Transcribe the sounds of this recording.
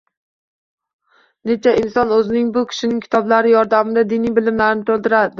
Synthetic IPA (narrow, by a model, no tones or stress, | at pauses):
ne̞t͡ʃʰaɪnsɒnɵzɪnɪŋbʊkʲʰɪ̥ʃɪnɪŋʲkʲʰɪ̥t̪ʰɒblaɾɪjɒɾd̪amɪd̪ad̪ɪnijbɪlɪmlaɾɪnɪt̪ʰɵlˠd̪ɪɾad̪ɪ